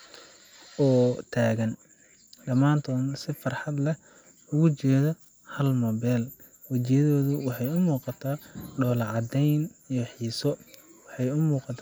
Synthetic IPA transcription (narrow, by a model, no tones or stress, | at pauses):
ɔːt̪ʰaːɣɐn | ɖɐmaːnt̪ʰɔːnsɪfɑrħɑd̪lɛ | ʊɣʊt͡ʃɛːðɔ | hɐlmɔbɛːl | wɐt͡ʃɪjɐðɔːðʊwɑħɑjʊmuːqɑt̪ʰaːɖɔːlʕɑd̪ɛjnijɞħiːsɔwɑħɑjʊmuːqɑt̪ʰː